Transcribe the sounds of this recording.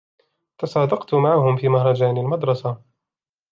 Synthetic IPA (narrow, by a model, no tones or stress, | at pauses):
t̪ɑsˤɑːd̪ɑqt̪ʊmaʕahʊmfiːmahɾˤɑd͡ʒaːnɪlmɑd̪ɾˤɑsa